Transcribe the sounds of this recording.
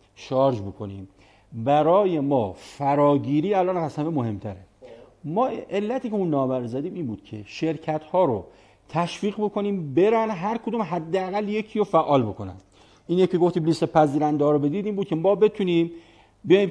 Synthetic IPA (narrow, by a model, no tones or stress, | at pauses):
ʃɒɾd͡ʒbokʰo̞nḭːm | bæɾɒːje̞mɒːfæɾɒːɟiːɾiːælʔɒːnɢæsæmemoɦe̞mt̪ʰæɾe | mɒːʔe̞lːæt̪ʰiːceunːɒːbæɾozæd̪iːmiːnbuːd̪̥kʰe̞̰ʃe̞ɾcʰæt̪hɒːɾo | t̪ʰæʃfiːɣbo̞kʰo̞niːmbe̞ɾænɦæɾkʰod̪uːmɦæd̪ːeæɣælje̞kʰiːɾofæʔːɒːlbo̞kʰo̞næ̰n | ʔiːnjekeɡo̞ft̪iːbliːst̪epʰæziːɾænd̪ɒːɾobe̞d̪iːd̪iːnbuːd̪̚cʰe̞mɒːbe̞t̪ʰuniːm | bejim